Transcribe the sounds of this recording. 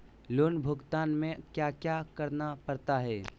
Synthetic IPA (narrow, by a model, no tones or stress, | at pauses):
loːnbʱʊɡt̪aːnmẽkjaːkjaːkəɾnapɐɾt̪aɦɛː